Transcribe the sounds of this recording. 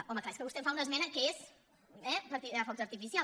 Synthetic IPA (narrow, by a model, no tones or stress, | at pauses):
ɔməklaeskəβust̪ɛmfaunəzmɛnəŋkeez | ɛpəɾt̪iafɔt̪zəɾt̪ifisia